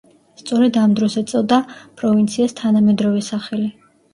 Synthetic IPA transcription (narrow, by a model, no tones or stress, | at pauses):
st̪sʼɔɾɛd̪amd̪ɾɔsɛt̪sʼɔd̪apʼɾɔvint̪sʰiast̪ʰanamɛd̪ɾɔvɛsaχɛli